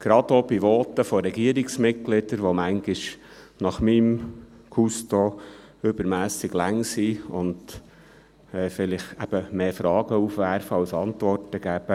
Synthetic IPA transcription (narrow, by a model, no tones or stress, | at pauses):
ɡ̥ɾɑd̥̪obiʋɔːt̪əfɔɾɛɡiəɾiksmɪt̚ɡlɪd̥̪əɾʋomæŋɡiʃ | nɑχmim | kʰusto | ʏbəɾmæːsɪɡlæŋsiʊnd̪ | ɛːfɪlɪχæb̥əmeːfɾɑːɡəufʋæɾfəɑwsɑntʋɔrtəɡ̥æːb̥ə